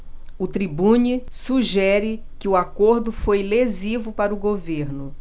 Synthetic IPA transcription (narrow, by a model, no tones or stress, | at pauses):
ʊt̪ɾibũɲisuʒɛɾɪ | kɪʊakoɾd̪ʊfojlezivʊpaɾʊɡoveɾnʊ